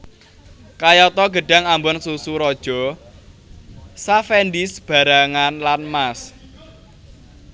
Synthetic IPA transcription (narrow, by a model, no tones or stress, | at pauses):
kajɔt̪ɔɡə̤ɖ̥a̤ŋambɔnsusuɾɔd̥ʒ̥ɔ̤ | safɛndisb̥a̤ɾaŋanlanmas